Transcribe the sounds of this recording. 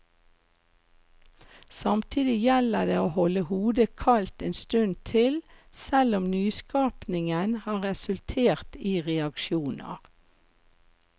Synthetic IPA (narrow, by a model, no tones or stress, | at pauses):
sɑmt̪ʰiːd̪ɪjɛləd̪eːoːhɔləhuːd̪əkʰɑlt̪eːnst̪ʉnt̪ʰɪlsɛlʊmnyːskɑːpnɪŋənhɑːʁɛsʉlt̪ʰeːʁt̪iːʁɛɑkʃjuːnə̰ʁ